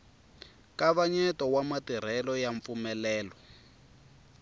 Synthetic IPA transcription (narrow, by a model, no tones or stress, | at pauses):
kaβaɲɛtɔwamatiɾ̤ɛlɔjaɱp̪fumɛlɛːlɔ